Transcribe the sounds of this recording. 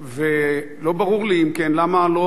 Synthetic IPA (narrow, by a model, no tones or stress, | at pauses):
ve | lo̞baʁuʁliːmkɛnlamalo